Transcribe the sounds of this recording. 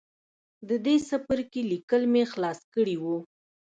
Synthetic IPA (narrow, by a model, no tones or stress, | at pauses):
d̪əd̪esapəɾkelikəlmexlɑskəɽiwu